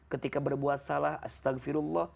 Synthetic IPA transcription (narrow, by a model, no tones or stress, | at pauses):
kət̪ikabərbuat̪̚salahʔa̰st̪aɣfɪɾulːɑh